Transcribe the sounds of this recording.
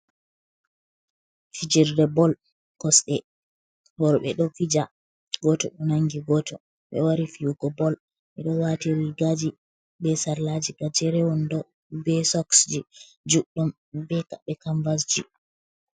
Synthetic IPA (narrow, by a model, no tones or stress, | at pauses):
fid͡ʒiɾdɛbɔl | kɔsɗɛ | bɔɾɔɓɛɗɔfid͡ʒa | ɡɔtɔɗɔnaŋɡiɡɔtʰɔ | ɓɛ̰waɾifiuɡɔbɔl | ɓɛɗɔwatiɾiiɡad͡ʒi | bɛsaɾlad͡ʒiɡad͡ʒɛɾɛwɔndɔ | bɛsɔksd͡ʒi | d͡ʒuɗum | bɛkaɓɛkaɱvasd͡ʒi